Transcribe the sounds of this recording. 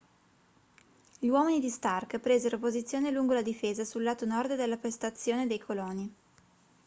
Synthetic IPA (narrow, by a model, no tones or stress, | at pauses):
ʎiwɔːminid̪ist̪arkpɾeːzeɾopozit̪sːjoːneluŋɡolad̪ifeːzasulːaːt̪onɔrd̪d̪elːapɾest̪at̪sːjoːned̪ejkʰolɔːni